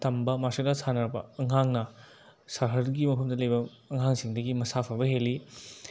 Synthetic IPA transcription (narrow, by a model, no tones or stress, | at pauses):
tɐmbɐmasɐk̚lasanɐɾbɐ̰ɐŋɦaŋnɐ | sɐɾɦɐɾɡimɐpʰɐmdɐlɐjbɐː | ŋɦaŋsiŋdɐɡimɐsapʰɐbɐɦeli